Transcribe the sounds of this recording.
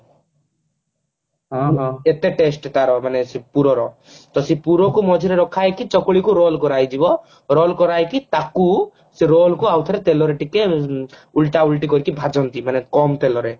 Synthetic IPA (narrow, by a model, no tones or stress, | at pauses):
ɦɔ̃et̪eʈesʈt̪aɾɔmanesipuɾɔɾɔ | t̪ɔsipuɾɔkumɔd͡ʒʱiɾeɾɔkʰajkit͡ʃɔkɭikuɾolkɔɾajd͡ʒibɔ | ɾolkɔɾajkit̪aku | seɾolkuawt̪ʰaɾet̪elɔɾeʈike | ulʈaulʈikɔɾikibʱad͡ʒɔnt̪imanekɔmt̪elɔɾe